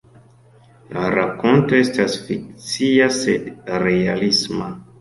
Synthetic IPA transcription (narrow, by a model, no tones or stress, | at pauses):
laɾako̞ntoestasfik̚t͡siasedrealisma